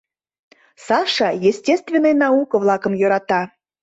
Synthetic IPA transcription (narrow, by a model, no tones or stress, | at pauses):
sɑʃɑjesʲtʲest̪vʲenːəjnɑukə̆vlˠɑkə̆mjøɾɑt̪ɑ